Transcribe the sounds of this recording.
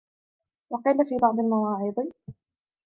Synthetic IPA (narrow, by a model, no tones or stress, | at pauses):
wɑqiːlafiːbɑʕd̪ˤlmɑwɑːʕɪd̪ˤɨ